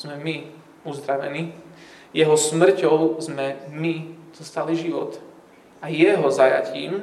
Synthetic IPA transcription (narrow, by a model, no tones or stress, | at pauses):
zmɛmi | uzd̪ɾaʋɛ̰niː | jɛɦɔsmr̩cɔʊzmɛmiz̥ɔst̪aliʒiʋɔt̪ | ajɛɦɔzaja̰cḭːm